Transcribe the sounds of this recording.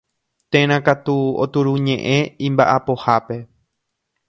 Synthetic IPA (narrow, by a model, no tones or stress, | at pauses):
t̪ẽɾ̃ãkat̪uo̰t̪uɾuɲẽʔẽĩmba̰ʔapo̞hape̞